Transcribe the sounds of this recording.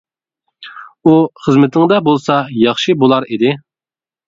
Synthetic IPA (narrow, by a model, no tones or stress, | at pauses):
uχəzmɪt̪ʰɪŋd̪ɑbolˠsɑjɑχʃibolˠɑɾid̪ɪ